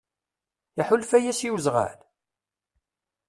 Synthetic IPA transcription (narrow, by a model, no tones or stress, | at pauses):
iħʊlfæjæsiwzʁa̰l